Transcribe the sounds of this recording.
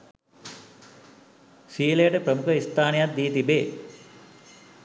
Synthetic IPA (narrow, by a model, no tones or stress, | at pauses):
siːləjəʈəpɾəmukʰəist̪aːnejat̪̚d̪iːt̪ibeː